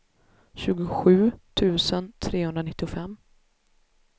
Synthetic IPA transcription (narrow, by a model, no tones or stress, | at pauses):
ɕʉ̟ːɡʊɧʉ̟ːt̪ʰʉ̟ːsənt̪ʰɾeːhɵnd̪ɾanɪt̪ːɪʊfɛmː